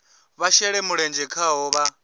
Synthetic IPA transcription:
βaʃɛɺɛmuɺɛnd͡ʒɛkʰaɦɔːβa

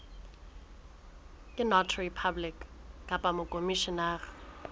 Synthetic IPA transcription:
ɪnɔtʰripʰablɪkkʼapʼamʊkʼomiʃɔnaːrɪ

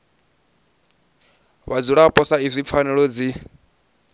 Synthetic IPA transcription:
βad͡zuɺapʼɔsaizʷip̪fʰanɛɺɔd͡zi

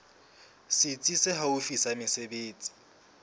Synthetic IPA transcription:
sɪt͡sʼisɪɦaufisamɪsebeːt͡sʼi̥

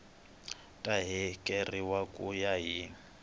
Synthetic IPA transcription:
tʼaɦikʼeriwakʼujaɦi

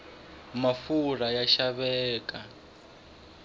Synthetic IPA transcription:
mafuɾajaʃaβɛːkʼa

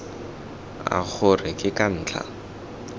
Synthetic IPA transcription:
a̰k͡xʰʊrɪkʼɪkʼan̩ːt͡ɬʰa̰

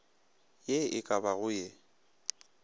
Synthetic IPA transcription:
jeɪkʼabaɣʊje

